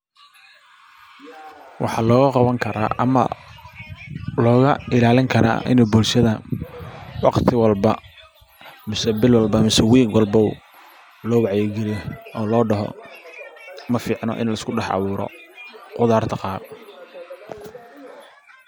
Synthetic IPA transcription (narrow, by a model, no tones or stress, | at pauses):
wʔɑ̰ħɑːlɔːɣɐqɑβɐŋkʰɐɾa̰ːɐ̰mɐ̰ | lɔːɣɐɪlaːlɪŋkʰɐɾa̰ːʔɪ̰nɛbʊlʃɐðɐ | wɑqt̪ʰɪwɑlbɐ | mɪsɛbɪlwɑlbɐmɪsɛwiːɡwɑlbɔw̰ | lɔːwɑʕjɛɡɛlɛɔːlɔːɖɐɦɔ̰ | mɐfiːʕnɔ̰ʔɪ̰nlɐɪskʰʊɖɛħɑ̰βʊːɾɔ̰qʊðaːrt̪ʰɐqɑːb